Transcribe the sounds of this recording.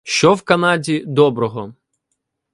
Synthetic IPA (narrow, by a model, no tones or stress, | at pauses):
ʃt͡ʃɔwkɐnɑdʲid̪ɔbɾɔɦɔ